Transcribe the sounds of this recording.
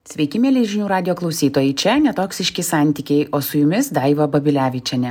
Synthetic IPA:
sʲʋʲɛɪkʲɪmʲeːlʲeɪʒʲɪnʲuːɾɑːd̪ʲɪjoːklˠɒʊsʲiːt̪oːjɛɪt͡ʃʲɛnʲɛt̪oːksʲɪʃʲkʲɪsɑˑnʲt̪ʲikʲɛɪʔoːsʊjʊmʲɪsd̪ɑɪʋɐbɐbʲɪlʲæːʋʲɪt͡ʃʲɛnʲɛ

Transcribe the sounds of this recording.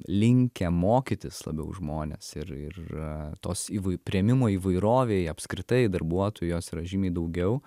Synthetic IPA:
lʲɪŋʲkʲɛmoːkʲit̪ʲɪslˠɐ̰bʲɛ̰ʊʒmoːnʲḛːsɪɾɪ̰rt̪oːsiːʋɐɪpʲɾʲiɛmʲɪmoːiːʋɐɪɾoːʋʲeːjɐpskɾʲɪt̪ɐɪd̪ɐɾbuɔt̪oːjoːsɾɐʒʲimʲeɪd̪ɐʊɡʲɛʊ

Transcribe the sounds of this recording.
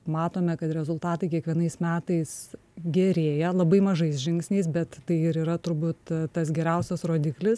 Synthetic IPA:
mɑːt̪oːmʲɛkɐt̪ɾʲɛzʊlˠt̪ɑːt̪ɐɪkʲiɛkʋʲiɛnɐɪsmʲæːt̪ɐɪs | ɡʲɛɾʲeːjɛlˠɐbɐɪmɐʒɐɪsʒʲɪŋksʲnʲɛɪsbʲɛt̪ːɐɪɪɾiːɾɐt̪ʊɾbuːt̪t̪ɐs̬ɡʲɛɾʲɛʊsʲɛsɾoːd̪ʲɪklʲɪs

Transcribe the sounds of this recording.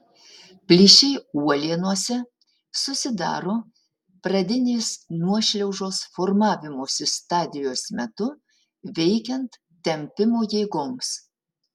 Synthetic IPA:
pʲlʲɪʃʲɛɪuɔlʲiɛnuɔsʲɛ | sʊsʲɪd̪ɑ̰ːɾoː | pɾɐd̪ʲɪnʲeːsnuɔʃʲlʲɛʊʒoːsfoɾmɑːʋʲɪmoːsʲɪst̪ɑːd̪ʲɪjoːsmʲɛt̪ʊ | ʋʲɛɪkʲɛnt̪ | t̪ʲːɛmʲpʲɪmoːjeːɡoːms

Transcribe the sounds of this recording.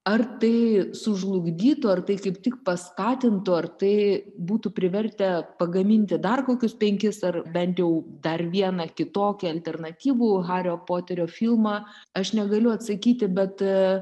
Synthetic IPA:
ɐrt̪ɐɪsʊʒlˠʊɡd̪ʲiːt̪ʊɐrt̪ɐɪkɐɪpt̪ʲɪk̚pɐskɑːt̪ʲɪnt̪ʊɐrt̪ɐɪbuːt̪ʊpʲɾʲɪʋʲɛɾʲt̪ʲɛpɐɡɐmʲɪnʲt̪ʲɪd̪ɐrkoːkʲʊspʲɛŋʲkʲɪsɐrbʲɛnʲt̪jɛʊd̪ɐrʋʲiɛnɐkʲɪt̪oːkʲɛɐlʲt̪ʲɛrnɐt̪ʲiːʋuːɣɑːɾʲoːpoːt̪ʲɛɾʲoːfʲilˠmɑ | ɐʃnʲɛɡɐlʲʊɐt̪sɐkʲiːt̪ʲɪbʲɛt̪

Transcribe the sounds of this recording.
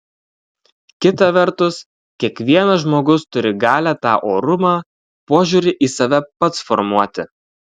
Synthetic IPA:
kʲɪt̪ɐʋʲɛɾˑt̪ʊs | kʲiɛkʋʲiɛnɐʒmoːɡʊst̪ʊɾʲɪɡɑːlʲæːt̪ɑːʔoːɾʊmɑː | poːʒʲuːɾʲɪʔiːsɐʋʲɛpɐt̪sfɔɾmuɔt̪ʲɪ

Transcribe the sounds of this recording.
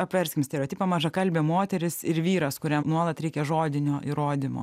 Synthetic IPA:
ɐpʲʋʲɛɾʲsʲkʲɪmsʲt̪ʲɛɾʲɛoːt̪ʲiːpɐmɐʒɐkɐlʲbʲeːmoːt̪ʲɛɾʲɪsɪɾʋʲiːɾɐskʊɾʲɛmnuɔlˠɐt̪ɾʲɛɪkʲɛʒoːd̪ʲɪnʲoːʔiɾoːd̪ʲɪmo̰ː

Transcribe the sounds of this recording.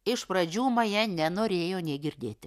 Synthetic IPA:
ɪʃpɾɐd͡ʒʲuːmɐjɛnʲɛnoːɾʲeːjoːnʲɛːɡʲɪɾʲd̪ʲeːt̪ʲɪ

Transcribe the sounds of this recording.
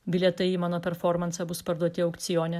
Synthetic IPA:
bʲɪlʲɛt̪ɐɪiːmɑːnoːpʲɛɾfɔɾmɐnsɐbʊspɐɾd̪uɔt̪ʲɪɐʊkt̪sʲɪjoːnʲɛ

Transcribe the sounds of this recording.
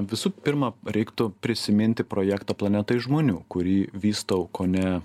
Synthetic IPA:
ʋʲɪsuːpʲɪɾmɐɾʲɛɪkt̪ʊpʲɾʲɪsʲɪmʲɪnʲt̪ʲɪpɾoːjækt̪ɐːplˠɐnʲɛt̪ɐɪʒmoːnʲuːkʊɾʲiːʋʲiːst̪ɐʊkoːnʲɛ

